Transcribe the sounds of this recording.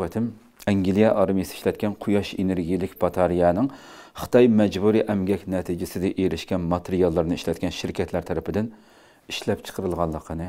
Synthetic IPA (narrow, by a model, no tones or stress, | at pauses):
ɛt̪ʰɪm | ɛŋɡʲilijɛʔɑɾmijisɨ̥i̥ʃlɛt̪̚kʲɛnqʰʊjɑʃeneɾɡʲijlɪkʲbɑt̪ʰɑɾijɑnɨŋ | χɨ̥t̪ʰɑjmɛd͡ʒbuɾiʔɛmɡʲɛkʲnɛt̪ʰid͡ʒɪsɪd̪ɛʔeɾɪʃkʲɛnmɑt̪ʰeɾijɑlˠːɨɾnɨiʃlɛt̪̚ʲkʲɛnʃɪɾkʲʰɛt̪læɾt̪ʰɛɾɪpʰɪd̪ɪn | iʃlɛpt͡ʃʰə̥qʰəɾɨlˠʁɑlˠːəqːənɨ